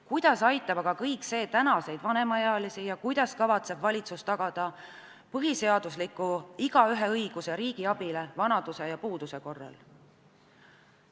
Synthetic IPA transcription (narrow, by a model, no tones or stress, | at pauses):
kujd̪̥ɑsɑjt̪ːˑɑbɑɡ̥ɑkɤjkse̞ːt̪ænɑse̞jd̪̥vɑne̞mɑjɑɑlisijɑkujd̪̥ɑskɑvɑt̪se̞bvɑlʲit̪sust̪ɑɡ̥ɑd̪̥ɑ | pɤɦise̞ɑd̪̥uslikːˑuiɡ̥ɑyɦe̞ɤjɡ̥useɾiːɡ̥iɑb̥ile̞vɑnɑd̪̥use̞jɑpuːd̪use̞ko̞rːɑ̰l